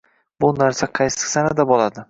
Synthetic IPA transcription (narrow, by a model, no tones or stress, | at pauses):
bʊnaɾsaqʰɑjsɪ̥sanad̪abɒlˠad̪ɪ